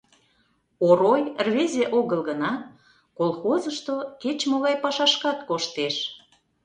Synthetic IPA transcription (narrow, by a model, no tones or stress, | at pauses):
oɾojrβezʲeʔoɣəlɣənɑ | kolˠxozəʃt̪oket͡ɕmoɣɑjpɑʃɑʃkɑt̪koʃt̪eʃ